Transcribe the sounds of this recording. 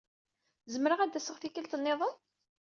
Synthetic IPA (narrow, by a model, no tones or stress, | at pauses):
zəmɾəʁæd̪æsəʁθikəlt̪ənːeðˤən